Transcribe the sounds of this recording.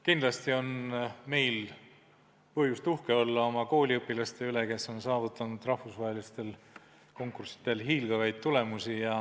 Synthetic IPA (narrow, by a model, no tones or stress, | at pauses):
kind̪̥lɑst̪io̞nme̞jl | pɤhjust̪uhke̞o̞lːɑo̞mɑko̞ːlʲiɤpːilɑst̪e̞yle̞ke̞so̞nsɑːvut̪ːˑɑnud̪̥rɑhfusvɑɦe̞list̪e̞l | ko̞ŋkːˑursi̥t̪e̞lɦiːlɡ̥ɑvɑjd̪̥̚t̪ːule̞musijɑ